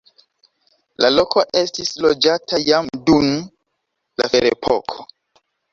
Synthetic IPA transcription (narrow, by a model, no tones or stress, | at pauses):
lalo̞kʰo̞ʔe̞stislod͡ʒatʰajamdun | lafeɾepʰo̰kʰo